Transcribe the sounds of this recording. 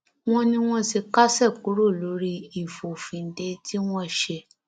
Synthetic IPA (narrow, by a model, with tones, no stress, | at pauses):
w̃ɔ̃˦nĩ˧w̃ɔ̃˧si˧ka˦sɛ˦˨ku˨˦ɾo˦˨lo˨˦ɾi˧i˨fo˨fĩ˨n̩˨˦de˧ti˦w̃ɔ̃˦˨ʃe˧